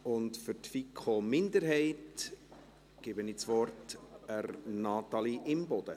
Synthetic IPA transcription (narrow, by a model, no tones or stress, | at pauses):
ʊntfʏɾtfikʰχomɪnd̪əɾɦɛɪt | ɡ̥ɪbənɪːt͡sʋɔrtərnɑt̪ɑliʔɪmbɔd̥̪ə